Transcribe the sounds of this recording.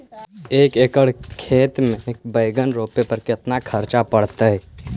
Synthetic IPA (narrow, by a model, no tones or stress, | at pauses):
eːkeːkəɽkʰeːt̪mẽeːk̚bəɪɡənɾoːpepəɾkɪt̪nakʰəɾt͡ʃapəɽt̪eɦɛ